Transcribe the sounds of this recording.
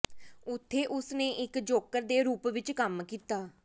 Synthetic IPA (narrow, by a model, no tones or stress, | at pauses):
ʊt̪ʰːeːʔʊsnẽːʔɪkd͡ʒoːkəɾd̪eːɾuːpʋɪt͡ʃkəmkiːt̪aː